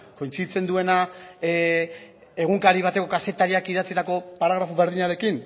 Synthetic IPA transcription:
ko̞jnt͡sit͡se̞nd̪ue̞na | eɣ̞uŋkaɾiβ̞at̪e̞ko̞kase̞t̪aɾiakiðat͡sit̪ako̞paɾaɣ̞ɾafuβe̞ɾðiɲaɾe̞kin

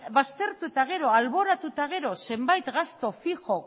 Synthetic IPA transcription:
βast̪e̞ɾt̪ut̪aɣ̞e̞ɾo̞alβo̞ɾat̪ut̪aɣ̞e̞ɾo̞se̞mbajt̪ɣast̪o̞fixo̞

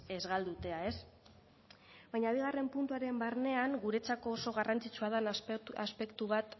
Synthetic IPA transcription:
e̞zɣald̪ut̪e̞ae̞s | βajɲaβ̞iɣ̞are̞mpunt̪uaɾe̞mbaɾne̞aŋɡuɾe̞t͡sako̞ːso̞ɣ̞arant͡sit͡ʃuað̞anaspe̞kt̪uβat̪

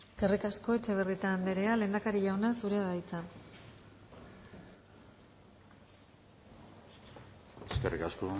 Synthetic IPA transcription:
eske̞rikasko̞e̞t͡ʃe̞β̞eriet̪aːnd̪eɾe̞ale̞ːnd̪akaɾiʎawnasuɾe̞aðajt͡sa | eskerikasko

